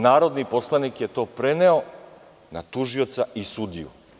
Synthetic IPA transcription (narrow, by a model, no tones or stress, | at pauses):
naːɾo̞d̪nipo̞slˠanikjet̪o̞ːpɾeneo̞ | na̰t̪uʒio̞t̪saisud̪ḭjṵ